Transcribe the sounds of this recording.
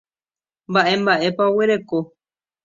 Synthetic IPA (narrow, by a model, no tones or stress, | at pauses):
mbaʔẽ̞mbaʔe̞paoweɾe̞ko